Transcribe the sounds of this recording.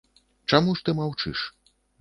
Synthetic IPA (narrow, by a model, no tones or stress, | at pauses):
t͡ʂamuʂt̪ɨmawt͡ʂɨ̰ʂ